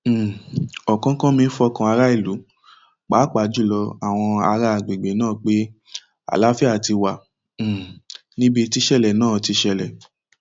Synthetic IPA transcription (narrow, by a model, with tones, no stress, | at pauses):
ɔ˨kã˦kã˦mĩ˧˦fɔ˧kã˧a˧ɾa˦i˦˨lu˨˦ | k͡pa˨˦k͡pa˨˦d͡ʒu˦˨lɔ˧a˦˨w̃ɔ̃˧a˧ɾa˧˨ɡ͡be˨ɡ͡be˨˦nãː˦˨k͡pe˦ | a̰˨la˦fi˦a˦˨ti˧wã˨ | nĩ˦bi˧ti˧˦ʃɛ˦˨lɛ˨nãː˦˨ti˧ʃɛ˧˨lɛ˨